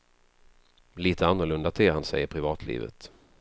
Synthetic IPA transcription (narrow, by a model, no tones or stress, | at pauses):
liːt̪ʰəanːʊɾɭɵnd̪at̪ʰeːhansɛ̰jəɾpʰɾɪvɑːt̪ʰlḭːvə̰t̪